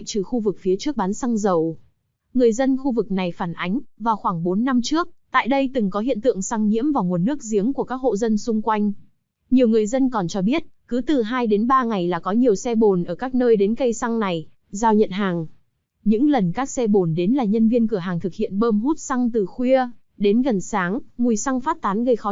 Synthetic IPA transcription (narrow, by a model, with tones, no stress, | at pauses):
t͡ɕɨ˨˩xu˧vɨ˨˩k̚fi˨˦ət͡ɕɨ˦˥ək̚ɓaː˨˦nsa˧ŋzə˨˩w | ŋɨ˨˩əjzə˧nxu˧vɨ˨˩k̚na˨˩jfaː˧˩nʔa˨˦jŋ̟vaː˨˩wxwaː˧˩ŋɓo˨˦nːa˧mt͡ɕɨ˦˥ək̚t̪a̰ː˧˨jɗə˧jt̪ɨ˨˩ŋkɔ˨˦ɦḭ˧˨ənt̪ɨ̰˧˨əŋsa˧ŋɲḭ˧˥əmvaː˨˩wŋu˨˩ənːɨ˦˥ək̚zi˨˦əŋku˧˩əkaː˦˥k̚ho̰˧˨zə˧nsʊ˧ŋ͡mkwa˧jŋ̟ | ɲi˨˩əwŋɨ˨˩əjzə˧nkɔ˨˩nt͡ɕɔ˧ɓi˦˥ət̚kɨ˨˦t̪ɨ˨˩ɦaː˧jɗe˨˦nɓaː˧ŋa˨˩jlaː˨˩kɔ˨˦ɲi˨˩əwsɛ˧ɓo˨˩nʔəː˧˩kaː˦˥k̚nəː˧jɗe˨˦nkə˧jsa˧ŋna˨˩j | zaː˧wɲə̰˧˨nɦaː˨˩ŋ | ɲɨ̰˧˥ŋlə˨˩nkaː˦˥k̚sɛ˧ɓo˧˩nɗe˨˦nlaː˨˩ɲə˧nvi˧ənkɨ˧˩əɦaː˨˩ŋt̪ʰɨ˨˩k̚hḭ˧˨ənɓəː˧mɦu˦˥t̚sa˧ŋt̪ɨ˨˩xwi˧ə | ɗe˨˦nɣə˨˩nsaː˨˦ŋŋu˨˩jsa˧ŋfaː˦˥t̚t̪aː˨˦nɣə˧jxɔ˨˦